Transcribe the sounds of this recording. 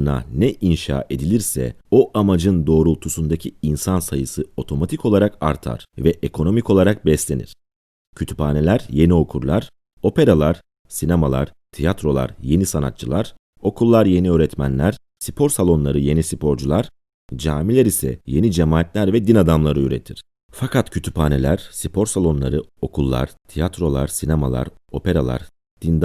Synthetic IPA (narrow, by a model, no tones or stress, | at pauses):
na̰nɛʔinʃa̰ːʔe̞d̪ilʲiɾsɛ̰o̞ʔamad͡ʒɯnd̪o̞ːɾulˠt̪ʰusund̪acʰiinsansajɯsɯo̞t̪ʰo̞mat̪ʰiko̞lˠaɾaka̰ɾt̪ʰa̰ɾ̥vɛʔekʰo̞no̞miko̞lˠaɾak̚bɛslʲe̞nḭɾ̥ | cʰyt̪ʰy̥paːne̞lʲæɾje̞nio̞kʰuɾlˠaɾ̥ | o̞pe̞ɾalˠaɾ̥ | sinemalˠa̰ɾ̥t̪ʰijat̪ɾo̞lˠa̰ɾje̞nisana̰t̪̚t͡ʃʰɯlˠaɾ̥ | o̞kʰulˠːaɾje̞niøːɾɛt̪mæ̰nlʲæɾ̥ | si̥pʰo̞ɾsalˠo̞nlˠaɾɯje̞nisipʰo̞ɾd͡ʒulˠaɾ̥ | d͡ʒaːmilʲeɾisɛ̰je̞nid͡ʒemaːt̪lʲæɾvɛd̪inad̪amlˠaɾɯyɾe̞̰t̪ʰiɾ̥ | fakʰat̪cʰy̥t̪ʰy̥paːne̞lʲæɾ̥sipʰo̞ɾsalˠo̞nlˠa̰ɾɯo̞kʰulˠːa̰ɾ̥t̪ʰijat̪ɾo̞lˠa̰ɾsinema̰lˠa̰ɾo̞pe̞ɾa̰lˠa̰ɾ | d̪̥ind̪